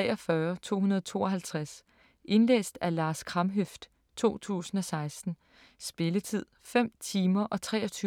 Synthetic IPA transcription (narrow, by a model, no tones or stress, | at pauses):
ɛɒfɶːɐt͡sʰo̝̰ːɦunɐðˠɒt͡sʰo̝̰ːɒ̽ɦælt͡sʰʁas | ʔe̝nlḛːsd̥ælɑ̈ːskʰʁɑ̈mɦøfd̥ | t͡sʰo̝̰ːt͡sʰṵːsn̩ɒ̽sɑ̈ɪsd̥n̩ | sb̥e̝lət͡sʰið̰ˠfem̰t͡sʰiːmɐʔɒ̽t͡sʰʁɛ̰ːɒ̽t͡sʰyː